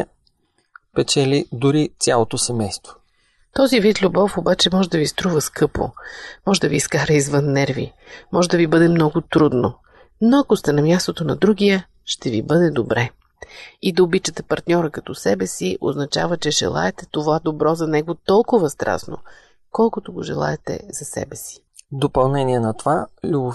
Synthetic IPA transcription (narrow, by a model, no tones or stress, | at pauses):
pɛt͡ʃɛlid̪ʊɾit̪sʲalˠot̪osɛmɛjst̪vo̥ | t̪ɔzivit̪lʲubɔfobat͡ʃɛmɔʒɛd̪ɐvist̪ɾuvəskɤpo̰mɔʒɛd̪ɐviːskaɾəizvɤnːɛɾvḭ | mɔʒɛd̪ɐvibɤd̪ɛmnɔɡʊt̪ɾud̪no | noɐkost̪ɛnɐmʲjast̪ot̪onɐd̪ɾuɡijə | ʃt̪ɛvibɤd̪ɛd̪obɾɛ | id̪ɐobit͡ʃət̪ɛpɐɾt̪nʲɔɾəkɐt̪ɔsɛbɛsiʔo̰znɐt͡ʃavət͡ʃɛʒɛ̰lˠa̰ɛt̪ɛt̪ovad̪obɾɔzɐnɛɡot̪ɔlˠkʊvɐst̪ɾa̰sno̰ | kɔlˠkʊt̪oɡoʒɛ̰lˠa̰ɛt̪ɛ̰zɐsɛ̰bɛsi̥ | d̪opɐlˠnɛnʲiɛnɐt̪ovalʲubo